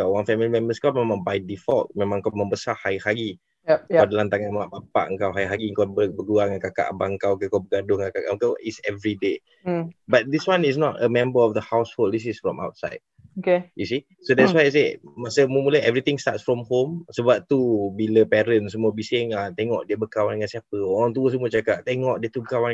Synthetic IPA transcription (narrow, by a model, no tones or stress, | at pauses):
kawwanfɛmilimɛ̃mbəskawmẽmãŋbajdifɔlt̚mẽmãŋkamə̃mbəsahajhaɡi | awdəlant̪aŋanmaʔbapa̰ʔəŋkawɦajɦaɡiəŋkawbəbəɡuaŋakaka̰ʔabaəŋkawkəkawbəɡadʊŋakakaəŋkawʔitsɛvɾide | bat̪̚diswãnisnɔtəmɛ̃mbəɔfd̪əhawsholdis̬isfɹɔ̃ma̰wt̚sa̰jd̚okejusi | sodɛtswajas̬emasəmumulaɛvɾit̪ĩŋst̪atsfɹɔmhomsəbap̚t̪ubiləpɛɾəns̬əmuəbiseŋat̪ɛŋɔʔdiəbəkawandəŋansiapəɔaŋt̪̬uəsəmuət͡ʃakaʔ̚t̪ɛŋɔʔdiət̪ubəkawa